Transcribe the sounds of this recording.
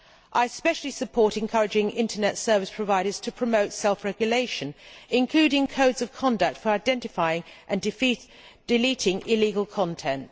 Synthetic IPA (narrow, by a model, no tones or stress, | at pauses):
ʔaɪəspɛʃl̩ˠisəpʰɔˑɾɛ̃nkʰʌɹɨd͡ʒɪ̃ŋɪ̰̃ntʰənɛtsɜ˞vɪspʰɹ̥əvaɪɾəz̥tʰəpʰɹ̥əməʊtsɛlˠfɹɛɡjəleɪʃə̃nɪ̃nkʰl̥ʉːɾɪ̃ŋkʰəʊdzəv̥kʰɑ̃ndək̚tfə˞aɪdɛ̃ntɪfaɪɪ̃ŋʔɨ̃n | d̥ɪliˑtɪ̃ŋɪliːɡəlˠkʰɑ̃ntʰɛ̃nt